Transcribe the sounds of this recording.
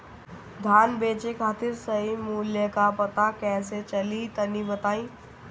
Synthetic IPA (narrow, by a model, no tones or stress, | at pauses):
d̪ʱaːnbeːt͡ʃekʰaːt̪ʰɪɾsəɦimuljəkapɐt̪akɛːset͡ʃɐlit̪ənibət̪aːĩː